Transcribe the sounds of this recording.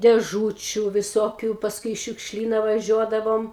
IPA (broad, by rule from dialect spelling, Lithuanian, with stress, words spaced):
dʲeːˈʒuːt͡ʃʲʊ ʋʲɪˈsoːkʲʊ pɐsˈkʊɪ ɪ ʃʲʊkʃʲˈlʲiːnɐ ʋɐˈʒʲuɔdɐʋoːm